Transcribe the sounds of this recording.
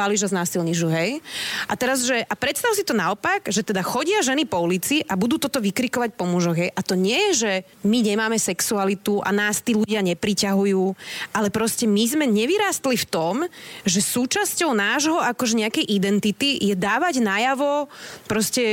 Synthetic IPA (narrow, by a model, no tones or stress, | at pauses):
aliʒaznaːsilɲiʒuɦɛjʔat̪ɛɾazʒɛʔapɾɛt̪st̪aʊsit̪ɔnaɔpaɡʒɛt̪ɛd̪axɔɟɪaʒɛnipɔulit͡siʔabud̪uːt̪ɔt̪ɔʋikɾikɔʋac̚pɔmuʒɔɣɦɛjʔat̪ɔɲɪɛjɛʒɛ | miɲɛmaːmɛsɛksualit̪uʔa̰naːst̪iːluɟɪaɲɛpɾicaɦujuːʔalɛpɾɔscɛmizmɛɲɛʋiɾaːst̪lift̪ɔmʒɛsuːt͡ʃascɔʊnaːʒɦɔakɔʒɛɲɛakɛjʔid̪ɛnt̪it̪ijɛd̪aːʋaɟnajaʋɔpɾɔscɛ